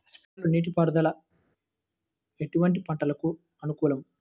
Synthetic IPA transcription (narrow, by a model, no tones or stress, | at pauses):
spiʈɐluniːʈ̬ipɐɾd̪ʱɐlɐ | e̞ʈuʋɐɳʈ̬ipɐɳʈɐlɐku | ɐnukuːlɐm